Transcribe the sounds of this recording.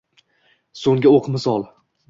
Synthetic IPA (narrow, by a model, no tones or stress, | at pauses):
soŋɡʲaoqʰmɪsɒlˠ